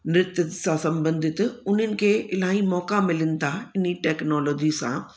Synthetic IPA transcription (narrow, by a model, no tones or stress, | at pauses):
nɾɪt̪ət̪sãsɐ̃mbə̃nd̪ʱɪt̪ʊn̤ənɪ̆kʰeːɪlaːĩmɔːkamɪlɪnɪ̆t̪ʰaɪniʈɛːknɔːlɔːd͡ʑisã̰